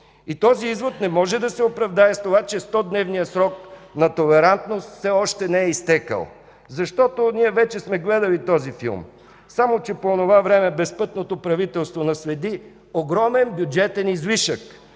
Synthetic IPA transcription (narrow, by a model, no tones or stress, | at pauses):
it̪ɔziizvot̪nɛmɔʒɛd̪ɐsɛopɾɐvd̪aɛst̪ovat͡ʃɛst̪ɔd̪nɛvnijəsɾɔknɐt̪olɛɾant̪nost̪fsɛɔʃt̪ɛnɛɛist̪ɛkə̰lˠ | zɐʃt̪ɔt̪oniɛvɛt͡ʃɛsmɛɡlɛd̪əlit̪ɔzifḭlˠm | samot͡ʃɛpoːnovavɾɛmɛbɛspɤt̪not̪opɾɐvit̪ɛlˠst̪vonɐsvɛd̪i | oɡɾɔmɛnbjud͡ʒɛt̪ɛnizviʃək